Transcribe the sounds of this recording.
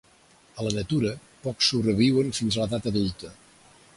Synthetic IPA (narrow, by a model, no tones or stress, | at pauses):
ələnət̪uɾə | pɔksuβrɾəβiwənfinzləðat̪əðult̪ə